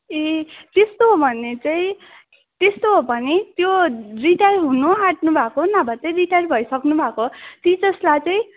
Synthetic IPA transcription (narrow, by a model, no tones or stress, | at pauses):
et̪est̪oɦobʱʌnːet͡saĩ | t̪est̪oɦobʱʌnit̪joriʈajrɦunuaʈnubʱakonabʱat͡sʌjriʈajrbʱʌjsʌknubʱakot̪id͡zʌslat͡saĩ